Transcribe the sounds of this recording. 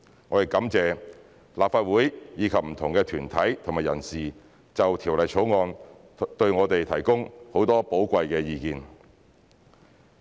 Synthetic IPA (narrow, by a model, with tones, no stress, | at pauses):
ŋɔː˨˧t̪e˨˩jkɐ˨˥mt͡sɛː˨˧ | laː˨p̚faː˧t̚wuː˨˥jjiː˨˧kʰɐ˨p̚m̩˨˩t̪ʰʊ˨˩ŋkɛː˧t̪ʰyː˨˩nt̪ʰɐ˨˥jt̪ʰʊ˨˩ŋmaː˨jɐ˨˩nsiː˨ | t͡sɐ˨wt̪ʰiː˨˩wlɐ˨jt͡ʃʰo˨˥wŋɔː˧n | t̪ɵ˧ɥŋɔː˨˧t̪e˨jt̪ʰɐ˨˩jkʊ˥ŋho˨˧˥wt̪ɔː˥po˨˥wkʷɐ˧jkɛː˧jiː˧kiː˨n